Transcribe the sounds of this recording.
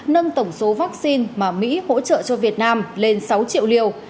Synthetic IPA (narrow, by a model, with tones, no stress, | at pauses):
nə˧ŋt̪ə˧˩wŋ͡mso˨˦vaː˦˥k̚si˧nmaː˨˩mḭ˧˥ho̰˧˥t͡ɕə̰ː˧˨t͡ɕɔ˧vi˨˩ət̚naː˧mle˧nsa˨˦wt͡ɕḭ˧˨əwli˧˩əw